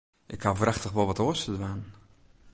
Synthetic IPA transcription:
ʔɪkhavraxtəxʋɔlˠʋɔtoəstədʋaːn

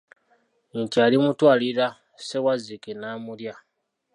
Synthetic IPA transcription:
ɲcaːlimutwaːliɾa | se̞wazikenaːmulja

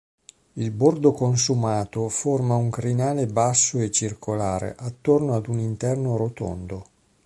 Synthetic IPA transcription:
ilbord̪okonsumaːt̪oformauŋkɾinaːlebasːoet͡ʃːirkʰolaːɾḛʔat̪ːornoad̪unint̪ɛrnoɾot̪o̰nd̪o

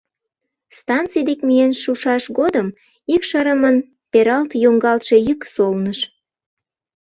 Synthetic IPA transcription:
st̪ɑnt͡sijd̪ekmijenʃuʃɑʃɡod̪əm | ikʃɑɾəmən | peɾɑlt̪joŋɡɑlt̪ʃe̽jyksolnəʃ

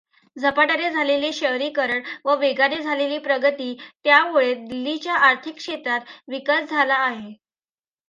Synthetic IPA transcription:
d͡zʱəpaʈəɾed͡zʱaleliɕəɦɾiːkəɾəɳʋəʋeɡaɾed͡zʱaleliːpɾəɡət̪iːt̪jamuɭed̪ilːit͡ɕjaʔaɾt̪ʰikɕet̪ɾat̪ʋikəlp̚d͡zʱalaːɦe

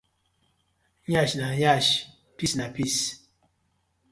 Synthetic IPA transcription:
ɲaʃnajaʃ | pisnapis

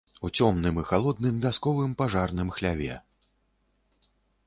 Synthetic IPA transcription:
ut͡sʲɔmnɨmixalˠɔd̪̚nɨmvʲaskɔvɨmpaʐarnɨmxlʲavʲɛ̰

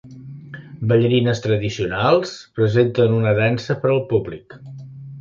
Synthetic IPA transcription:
bəʎəɾinəst̪ɾəðisiunalˠspɾəzent̪ənunəðɛnsəpəɾəlˠpublik

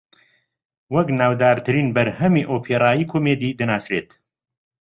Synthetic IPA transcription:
wɐknaːwd̪aːɾt̪ʰɨɾiːnbɐɾhɐmiʔoːpʰeːɾaːjiːkʰoːmeːd̪iːd̪ɨnaːsɾeːt̪

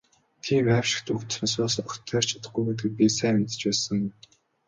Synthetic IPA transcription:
t̪ʰiːmæw̥ʃɪ̥̆xt̪ukt̪asɔːsɔə̥̆t̪ʰːœːr̥t͡ɕʰḁt̪ə̥̆χɡujɡet̪ɘ̆k̚pʲisæːmet̪ɘ̥̆t͡ɕpæːsə̆ŋ

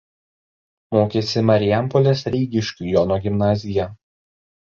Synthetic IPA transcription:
moːkʲesʲɪmɐɾʲɪjæˑmpɔlʲeːsɾʲɛɪɡʲɪʃʲkʲuːˑjoːnoːɡʲɪmnɑːzʲɪjɛ

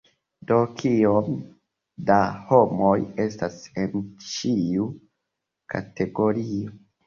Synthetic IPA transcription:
do̞kʰiom | daho̞mo̞je̞stase̞nt͡ʃiu | kʰa̰te̞ɡo̞ɾio̞

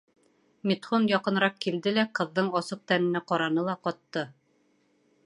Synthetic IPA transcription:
mit̪χonjɑqɤ̆nɾɑqkild̪ɘlæqɤ̆ðːɤɴɑsɤq̚t̪ænɘ̆næqɒɾɑnɤlˠɑqɒt̪ːɤ

